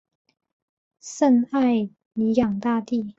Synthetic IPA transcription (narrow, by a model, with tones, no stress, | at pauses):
sə˥˧na˥˩ɪ | ni˨˥jɑ˨˩ŋt̪a˥˧t̪i˥˨